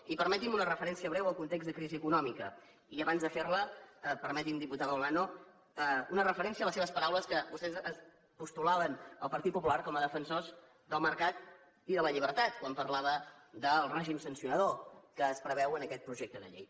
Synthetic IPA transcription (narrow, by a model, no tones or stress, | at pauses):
ipəɾmɛt̪imunərəfəɾɛnsiəβɾɛwəlˠkunt̪eɡzðəkɾiziəkunɔmikə | iəβanzðəferləəpəɾmɛt̪imd̪iput̪aðəlano | əunərəfəɾɛnsiələseβəspəɾawləskəbust̪ɛzəs | pust̪ulaβənəlˠpəɾt̪it̪̚pupulaɾkɔməðəfənsoz | d̪əlˠməɾkat̪̚ | iðələʎiβ̞əɾt̪at̪kwampəɾlaβəd̪əlˠrɛʒimsənsiunəðokəːspɾəβɛwənəkɛt̪̚pɾuʒek̚t̪əðə̰ʎḛj